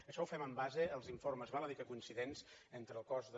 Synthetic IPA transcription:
əʃɔwfɛməmbazəːlˠziɱforməzβaləðikəkuinsiðenzent̪ɾəːlˠkɔzðə

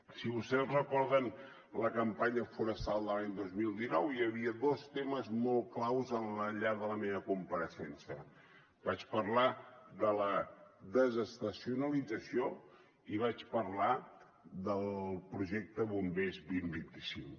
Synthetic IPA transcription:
siβust̪ɛzrəkɔɾðən | ləkəmpaɲəfuɾəst̪alˠd̪əlaɲd̪ozmilˠd̪inɔwiəβiəðost̪eməzmɔlˠklawzənləʎaðələmeβəkumpəɾəsɛnsiə | bat͡ʃpəɾlaðələðəzəst̪əsiunəlid͡zəsio | iβ̞at͡ʃpəɾla | ðəlˠpɾuʒɛk̚t̪əβumbezbimbint̪isiŋ

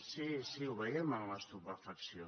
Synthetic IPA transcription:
sisiuβeemãŋlast̪upefaksjo

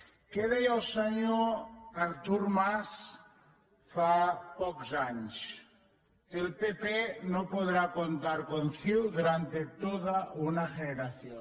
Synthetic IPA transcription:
keðejawsaɲoaɾt̪uɾmas | fapɔkzaɲs | elpepenopoðɾakont̪aɾkonθiwðuɾant̪et̪oðaunaʝeneɾaθjo

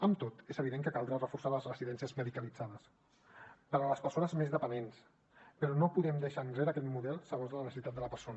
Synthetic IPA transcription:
əmt̪ot̪ezəβ̞iðeŋkəkalˠd̪ɾarəfuɾsaləzrəsiðɛnsiəzməðikəlid͡zaðəs | pəɾələspəɾsonəzmezðəpənens | pəɾɔnopuðɛmd̪əʃanzeɾəːkɛt̪muðɛlˠsəɣonzðələnəsəsit̪at̪̚d̪ələpəɾsonə

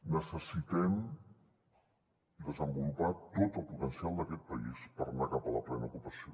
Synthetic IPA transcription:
nəsəsit̪ɛm | d̪əzəmbulupat̪ot̪əlˠput̪ənsialˠd̪əkɛt̪̚pəispərnakapələplɛnəṵkupəsio

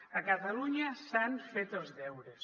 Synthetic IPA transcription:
əkət̪aluɲasanfet̪elzðɛwɾes

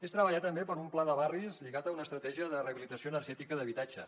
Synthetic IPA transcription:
est̪ɾəβəʎat̪ːəmbepəɾumplaðəβarizʎiɣat̪əunəːst̪ɾət̪ɛʒiəðəreəβilit̪əsioənəɾʒɛt̪ikəðəβ̞it̪ad͡ʒə

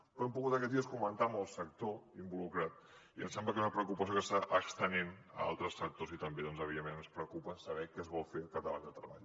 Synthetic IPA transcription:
pɾɔɛmpuɣut̪əkɛiəskumənt̪aməlˠsək̚t̪oimbulukɾat̪̚ | iə̰msɛmbləkɛzunəpɾəkupəs̬iokəst̪aʔəkst̪ənenə̰a̰lˠt̪ɾəsfək̚t̪ozit̪əmbeðɔnzəβiemenənspɾəkupəsəβɛkɛzβɔlˠfekat̪əla̰ʎd̪ət̪ɾə̰βa̰ʎ

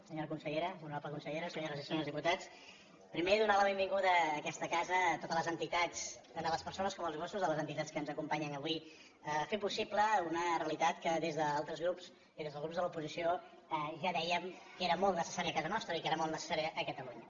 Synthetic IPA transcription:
səɲoɾəkunsəʎeɾəunɾapləkunsəʎeɾəsəɲoɾəzəsonlˠzðiput̪at͡s | pɾimeðunaləβ̞embiŋɡuðəːkɛst̪əkazət̪ot̪ələzənt̪it̪at͡st̪and̪əlˠəspəɾsonəskɔməlˠzɣosuzðələzənt̪it̪att͡sskənzəkumpaɲənəβwi | əfepusipləunəreəlit̪at̪kəðezðəalˠt̪ɾəzɣɾups | iðezðəlˠzɣɾupzðəlupuzisio | əʒaðɛjəmkeɾəmolˠt̪nəsə̥saɾiəkazənɔst̪ɾəikeɾəmolˠt̪nəsə̥saɾiəʔːkət̪əluɲə

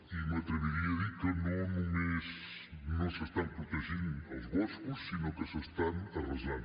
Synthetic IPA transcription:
imɐt̪ɾeβiɾiaðikənõnõŋes | nõwsest̪ampɾot̪eʒĩnawzβoskusːinõkesest̪anarozan

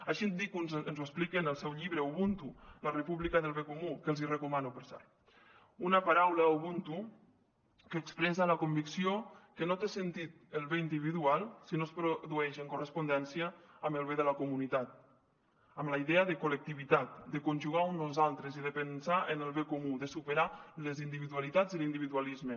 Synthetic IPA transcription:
aʃind̪ikunzənzuesplikenəlˠsɛwʎiβɾəuβunt̪ulərəpuβlikaðəlˠβekomukəlˠzirekumanupɾsa̰ɾ | unəpaɾawlauβunt̪u | kəːkspɾesaləkumbiksiokənot̪esent̪it̪əlˠβeind̪iβ̞iðualˠsinospɾoðuɛʃəŋkurəspund̪ɛnsiaːməlˠβeðəlakumunit̪at̪̚ | əmlaiðeəðekulək̚t̪iβit̪at̪̚d̪əkunʲʒuɣaunozalˠt̪ɾeziðepənsaʔenəlˠβekomuðəsupeɾalezind̪iβiðualit̪ad͡zilind̪iβiðualizme

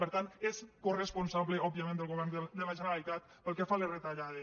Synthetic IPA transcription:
peɾt̪ant̪eskoresponsaβleʔɔbjamẽnd̪elɣoβɛɾd̪elaʒeneɾalit̪at̪ | pəlˠkefaleret̪aʎaðe

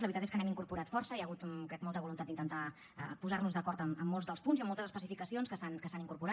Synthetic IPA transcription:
ləβɾit̪at̪eskənɛmiŋkuɾpuɾat̪fɔɾsəiaɣut̪kɾɛk̚mɔlˠt̪əβulunt̪ad̪int̪ənt̪a | ə̰puzarnuzðəkɔɾt̪əməmːoɔlˠzðəlˠspunziəmːɔlˠt̪əzəspəsifikəsionskəsankəsaniŋkuɾpuɾa

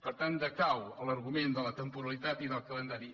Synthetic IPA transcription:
pəɾt̪and̪əkawələɾɣumend̪ələt̪əmpuɾəlit̪at̪iðəlˠkələnd̪aɾi

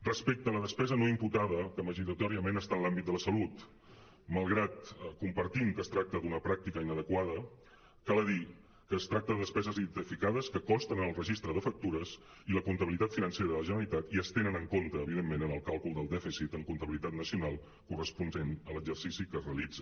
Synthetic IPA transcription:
rəspek̚t̪ələðəspɛzənoimput̪aðəkəməʒiɾət̪ɔɾiəmenəst̪aənlambit̪̚d̪ələsəlut̪ | məlˠɣɾat̪kumpəɾt̪imkəst̪ɾak̚t̪əd̪unəpɾak̚t̪ikəinəðəkwaðə | kalˠəði | kəːst̪ɾak̚t̪əðəðəspɛzəzit̪əfikaðəskəkɔst̪ənənəlˠrəʒist̪ɾəðəfək̚t̪uɾəs | iləkunt̪əβilit̪at̪finənseɾəðələʒənəɾəlit̪at̪iəst̪enənəŋkont̪əːβiðemːenənəlˠkalˠkulˠd̪əlˠd̪ɛfisit̪əŋkunt̪əβilit̪at̪nəsiunalˠ | kurəspundenələɡzərsisikəzreəlid͡zə

